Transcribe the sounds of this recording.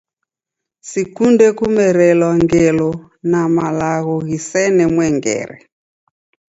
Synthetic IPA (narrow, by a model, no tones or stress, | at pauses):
sikundɛkumɛɾɛlwaŋɡɛlɔ | namalaɣɔɣisɛnɛmwɛŋɡɛ̰ɾɛ̰